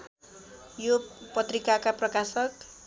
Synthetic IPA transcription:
jopʌt̪rikakaprʌkasʌk

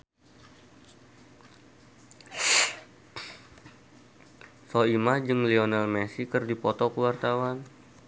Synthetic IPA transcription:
soimad͡ʒɨŋlionalmɛsikɨrdipɔt̪ɔkəwart̪awan

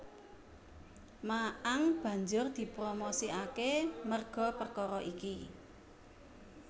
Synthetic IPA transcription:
maʔaŋb̥ä̤ɲd͡ʒʊrd̪̥i̤pɾomosiakemərɡ̥ɔ̤pərkɔɾɔʔiki

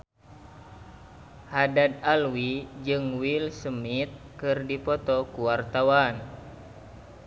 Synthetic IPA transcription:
hadad̪alwid͡ʒɨŋwilsəmit̪̚kɨrdipɔt̪ɔkuwart̪awan

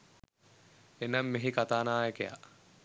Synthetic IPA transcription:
enamːeɦikat̪aːnaːjəkeja̰

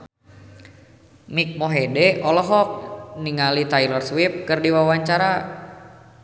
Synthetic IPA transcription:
mik̚mɔɦɛdɛɔlɔɦɔk̚niŋalit̪ajlɔrswip̚kɨrdiwawaɲt͡ʃaɾa

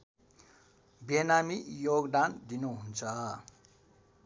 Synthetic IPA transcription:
bjenamijoɡd̪and̪inuɦunt͡sʰʌ

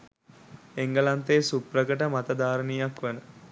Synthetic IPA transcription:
eŋɡəlant̪ejsuprəkəʈəmat̪əd̪aːɾənijakʋænə

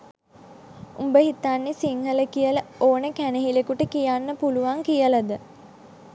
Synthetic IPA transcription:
umbəɦit̪anːesiŋhələkijələoːnəkæneɦilekuʈəkijanːəpuluʋaŋkijəlad̪ə

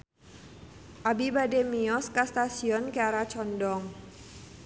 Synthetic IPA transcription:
ʔabibademiɔskast̪asiɔnkeaɾat͡ʃɔndɔŋ

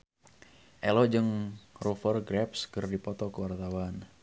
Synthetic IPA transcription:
ʔɛlɔd͡ʒɨŋrufərɡɾɛpskərdipɔt̪ɔkəwart̪awan

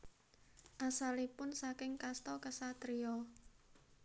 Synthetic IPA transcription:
ʔasalipʊnsakɪŋkast̪ɔkəsat̪ɾiɔ

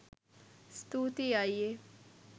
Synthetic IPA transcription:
st̪ut̪iaːie

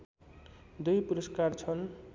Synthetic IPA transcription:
d̪ujpuɾʌskart͡sʰʌn

